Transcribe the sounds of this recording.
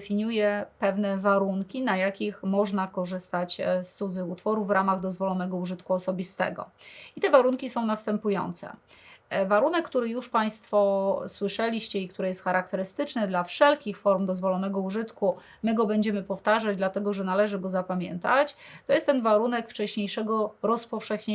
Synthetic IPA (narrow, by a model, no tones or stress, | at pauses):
fʲiɲujɛpɛvnɛvaɾuŋkʲinajakʲixmɔʐnakɔʐɘst̪at͡ɕst̪sud̪zɘxut̪fɔɾuvvːɾamaɣd̪ɔzvɔlɔnɛɡɔuʐɘt̪kuɔsɔbʲist̪ɛ̰ɡɔ̰it̪ɛvaɾuŋkʲisɔ̃w̃nast̪ɛmpujɔ̰nt̪sɛ̰ | vaɾun̪ɛkːt̪uɾɘjuʂpaj̃st̪fɔswɘʂɛlʲiɕt͡ɕɛik̚t̪uɾɛjɛst̪xaɾakt̪ɛɾɘst̪ɘt͡ʂnɛd̪lafʂɛlkʲixfɔɾmd̪ɔzvɔlɔnɛɡɔuʐɘt̪ku | mɘɡɔbɛɲd͡ʑɛmɘpɔft̪aʐad͡ʑd̪lat̪ɛɡɔʐɛnalɛʐɘɡɔzapamʲjɛ̰nt̪at͡ɕt̪ɔjɛst̪ːɛnvaɾunɛkft͡ʂɛɕɲejʂɛɡɔɾɔspɔfʂɛxɲ